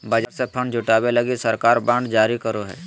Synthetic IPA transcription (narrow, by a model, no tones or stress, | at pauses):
bɐd͡ʒəɾsepʰɐɳd͡ʒʱʊʈaːbelɐɡisɐɾkaːɾbãːɳɖd͡ʒaːɾikəɾoɦɛ̰ː